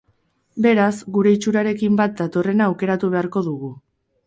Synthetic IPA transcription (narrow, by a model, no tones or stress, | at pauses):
be̞ɾazɡuɾe̞it͡ʃuɾaɾe̞kimbat̪̚d̪at̪o̞re̞naːwke̞ɾat̪uβ̞e̞aɾko̞ðuɣ̞u